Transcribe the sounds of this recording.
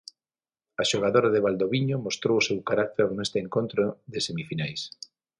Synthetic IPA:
aʃoɣ̞aðoɾaðeβald̪oβiɲomost̪ɾowʊsewkaɾak̚t̪eɾnest̪eeŋkont̪ɾoðɪsemifinajs

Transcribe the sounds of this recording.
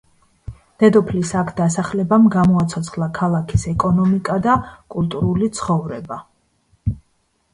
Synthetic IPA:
d̪̥ɛd̪ɔpʰlisakʰd̪asaχlɛbamɡamɔat̪sʰɔt̪sʰχlˠakʰalˠakʰisɛkʼɔnɔmikʼad̪akʼult̪ʼuɾulit̪sʰχɔvɾɛba

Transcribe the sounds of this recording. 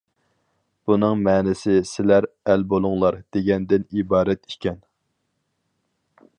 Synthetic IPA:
b̥unɨŋmɛːnɪsɪsɪlæɾ | ɛlbolˠʊŋlˠɑɾd̪̥eɡʲɛnd̪ɪnibɑːɾɛt̪i̥kʲɛn

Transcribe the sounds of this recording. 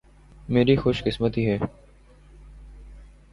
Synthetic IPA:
meːɾixʊːʃkɪsmət̪iːɦɛː

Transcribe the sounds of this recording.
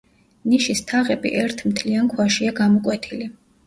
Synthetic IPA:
niʃist̪ʰaʁɛbḭʔɛɾt̪ʰmt̪ʰliankʰwaʃiaɡamɔkʼwɛt̪ʰili

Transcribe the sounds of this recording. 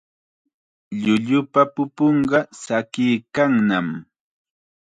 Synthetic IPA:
ʎʊʎʊpapʊpoɴɢɑsakɪjkaŋnam

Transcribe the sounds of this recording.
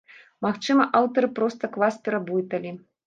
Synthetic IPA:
maxt͡ʂɨmɐʔawt̪ɐɾɨpɾɔst̪ɐklˠaspʲɛɾɐbujit̪ɐlʲi

